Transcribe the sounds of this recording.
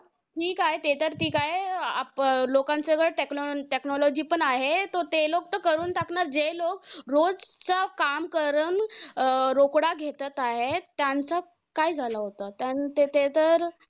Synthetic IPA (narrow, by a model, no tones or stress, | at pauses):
ʈʰiːkaɦet̪et̪əɾt̪iːkajaplokãnt͡səɡəʈeknɔʈeknɔlɔd͡ʑiːpəɳaɦet̪oɾt̪elok̚t̪əkəɾuːnt̪aknaɾd͡zelok̚ɾod͡zt͡sakamkəɾən | ɾokɽaɡʱet̪ət̪aɦet̪jant͡sa | kajd͡zʱalaɦot̪at̪jant̪et̪et̪əɾ